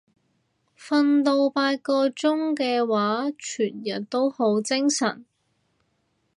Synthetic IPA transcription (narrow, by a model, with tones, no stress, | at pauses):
fɐ˧nt̪o˧wpaː˧t̚kɔː˧t͡sʊ˥ŋkɛː˧waː˨˥t͡ʃʰyː˨˩njɐ˨˩t̚t̪o˥who˨˥wt͡sɪ˥ŋsɐ̰˨˩n